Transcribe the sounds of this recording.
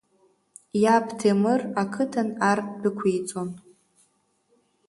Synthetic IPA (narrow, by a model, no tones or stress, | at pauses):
japʰtʰemɨrakʰɨtʰanarbɨkʷʰejt͡sʼon